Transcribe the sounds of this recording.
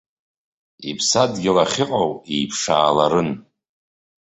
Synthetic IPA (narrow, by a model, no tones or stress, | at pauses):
ipʰsadɡʲɪlaχʲɪqʼawejpʰʂaːlaɾɨn